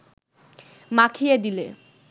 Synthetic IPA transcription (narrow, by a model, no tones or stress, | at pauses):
makʰijed̪ile